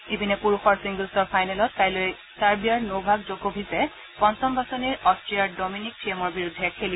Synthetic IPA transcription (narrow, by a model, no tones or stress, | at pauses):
ebinɛpuɹuxɔɹsiŋɡulsɔɹpʰajnɛlɔtkajloj | taɹbijaɹnowbʱaɡzoɡobʱisɛ | pɔntɔmbasoniɹɔstɹiaɹdɔminik̚tʰɹiemɔɹbiɹudʱːɛkʰeli